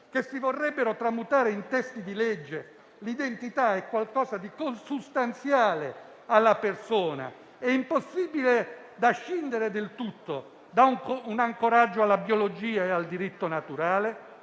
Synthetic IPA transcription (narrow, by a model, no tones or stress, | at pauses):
k̟esːivorːɛbːeɾot̪ɾamut̪aːɾeint̪ɛst̪id̪ilɛd͡ʒːe | lid̪ent̪it̪aɛkːwalkɔːzad̪ikonsust̪ant̪sjaːle | alːapersoːna̰ | ɛimposːiːbile | d̪aʃːind̪eɾed̪elt̪ut̪ːo | d̪auŋunaŋkoɾad͡ʒːoalːabjolod͡ʒiːaeald̪iɾit̪ːonat̪uɾaːle